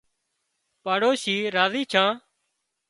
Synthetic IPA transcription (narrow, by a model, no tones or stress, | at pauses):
paːɽoːʃiːɾaːziːt͡ʃʰãː